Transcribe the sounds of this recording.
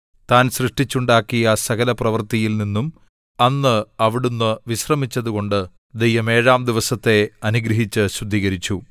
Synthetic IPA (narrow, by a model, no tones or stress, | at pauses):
t̪aːnsrɨʂʈit͡ɕːuɳɖaːkːijɐsɐɣɐlɐprɐʋɐrt̪ijilninːum | ɐnːɨɐʋiɽunːɨʋiɕrɐmit͡ɕːɐðuɣo̞ɳɖɨ | d̪ejːɐme̞ːɻaːmd̪iʋɐsɐt̪ːe̞ɐnuɡɾɐɦit͡ɕːɨɕrud̪ʱːiːɣɐɾit͡ɕːu